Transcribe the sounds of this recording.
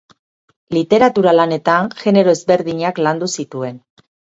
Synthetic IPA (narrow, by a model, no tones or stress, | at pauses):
lit̪e̞ɾat̪uɾalane̞t̪anxe̞ne̞ɾo̞ezβe̞ɾðiɲakland̪usit̪ue̞n